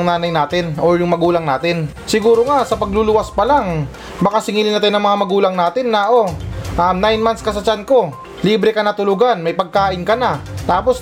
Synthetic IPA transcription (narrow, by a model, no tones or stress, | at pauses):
ŋnaːnɐjnaːt̪ɪnoɹjʊŋmɐɡuːlɐŋnaːt̪ɪn | sɪɡuːɾoŋasɐpɐɡlʊluʔɐspɐlaŋ | bɐkasɪŋiːlɪnɐt̪ajnɐŋmɐŋamɐɡuːlɐŋnaːt̪ɪnːaʔoʔanajnmanskɐsɐt͡ʃanko̞ | liːbɾɛkɐnɐt̪ʊlʊɡanmɐjpɐɡ̚kaːʔɪnkɐnat̪aːpo̞s